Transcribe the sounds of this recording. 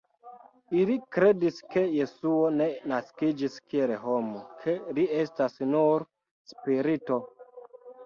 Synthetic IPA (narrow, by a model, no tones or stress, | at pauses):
ilikɾe̞diske̞je̞suo̞ne̞naskid͡ʒiskieleɦomokʰelie̞stasnuɾ | spiɾito̞